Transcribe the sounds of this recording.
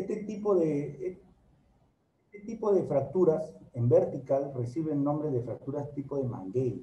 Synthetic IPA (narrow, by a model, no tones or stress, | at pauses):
et̪et̪ipoðe | et̪et̪ipoðefɾak̚t̪uɾasembeɾt̪ikalresiβennõmbɾeðefɾak̚t̪uɾast̪ipoðemã̰ŋɡej